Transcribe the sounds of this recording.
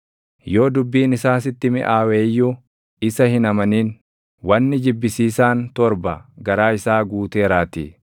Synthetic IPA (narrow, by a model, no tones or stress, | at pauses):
jo̞ːd̪ʊbːiːnɪsaːs̬ɪt̪ːɪmɪ̰ʔaːweːjːu | ɪsɐhɪnɐmɐniːn | wɐnːɪd͡ʒɪbːɪsiːsaːnt̪ɔɾbɐɡɐɾaːɪsaːɡuːt̪e̞ːɾaːt̪ḭː